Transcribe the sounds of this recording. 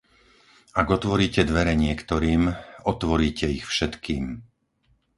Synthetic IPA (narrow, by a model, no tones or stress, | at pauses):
aɡɔt̪ʋɔɾiːcɛd̪ʋɛɾɛɲɪɛkt̪ɔɾiːmɔt̪ʋɔɾiːcɛixfʃɛt̪kiːm